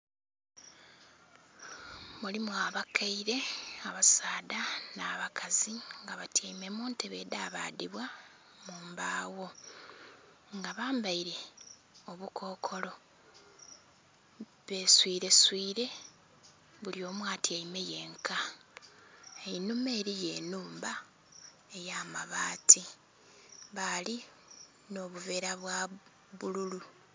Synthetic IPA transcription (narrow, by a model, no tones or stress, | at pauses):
mulimuaβakʰaiɾe̞aβasaːdanaːβakʰaziŋɡaβatjajime̞muːnteβe̞daːβa̰ːdiβwa | muːmbaːwo̞ | ŋɡaβaːmbaiɾe̞ | o̞βukʰo̞ːkʰo̞lo̞ | βe̞swiːɾe̞swiːɾe̞ | βulio̞ːmwaːtiaimeje̞ːŋkʰa | einume̞ːɾije̞ːnuːmba | e̞jaːmaβaːti | βali | no̞βuve̞ːɾaβwa | βululu